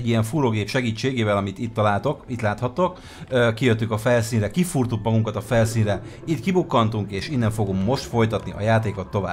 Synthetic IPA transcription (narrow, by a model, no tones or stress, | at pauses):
ɛɟːijɛɱfuːɾoːɡeːpʃɛɡiːt͡ʃːeːɡeːvɛlɒmit̪it̪ːɒlaːlt̪o̞kit̪laːt̪hɒt̪o̞k | økːijøt̪ːyŋkɒfɛlsiːnrɛkifurt̪ukmɒɡuŋkɒt̪ɒfɛlsiːnrɛ | it̪kibukːɒnt̪uŋkeːʃinːɛɱfo̞ɡummo̞ʃt̪fo̞jt̪ɒt̪niʔɒ̰jaːt̪eːko̞t̪ːova̰ːb